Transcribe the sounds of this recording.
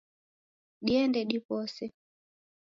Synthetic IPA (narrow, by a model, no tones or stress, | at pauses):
ɗiɛndɛɗipɔsɛ